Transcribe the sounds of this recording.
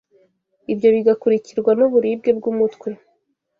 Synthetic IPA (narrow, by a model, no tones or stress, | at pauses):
ibjo̞βiɡakuɾiciɾɡwanuβuɾib̚ɡe̞b̚ɡumutkwe